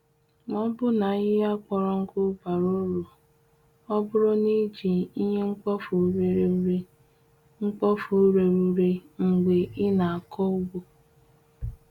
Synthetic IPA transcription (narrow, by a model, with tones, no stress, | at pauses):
mɔ˦bʊ˦na˨˦ɪ˦a˦k͡pɔ˨ɾɔ˨ŋ̩˦ɡʊ˦ba˨ɾo˦ɾo˨ | ɔ˦bʊ˦ɾɔ˦ni˦d͡ʒi˨i˦ɦe˦ŋ͡m̩˦k͡pɔ˦fu˨˦ɾe˨ɾe˨˦ɾe˦ | ŋ͡m̩˦k͡pɔ˦fu˨˦ɾe˨ɾu˨ɾe˦ŋ͡m̩˨ɡ͡be˨ɪ˦na˨a˨kʰɔ˦u˦ɡo˦